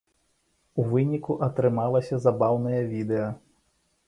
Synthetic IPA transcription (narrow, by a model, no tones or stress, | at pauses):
uvɨnʲikuʔɐt̪ɾɨmalˠɐsʲɐzabawnɐjɐvʲid̪ɛjɐ